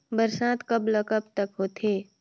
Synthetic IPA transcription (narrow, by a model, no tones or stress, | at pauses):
bəɾsaːt̪kəbləkəb̚t̪əkɦoːt̪ʰeː